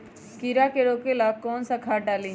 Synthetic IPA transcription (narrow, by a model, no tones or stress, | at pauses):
kiɾakeɾoːkelaːkɔːnsakʰaːʈaːli